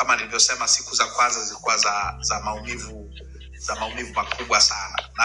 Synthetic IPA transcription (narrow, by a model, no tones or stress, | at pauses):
amanilivjɔsɛmasikuzakwanzazilikuwazazamaumivu | zamaumivumakʰuɓwasana̰na